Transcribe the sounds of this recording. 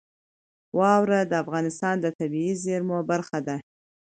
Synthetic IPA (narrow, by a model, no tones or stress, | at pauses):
wɑwɾad̪əafɣɑnɪst̪ɑnd̪ət̪abiizeɾmobaɾxad̪a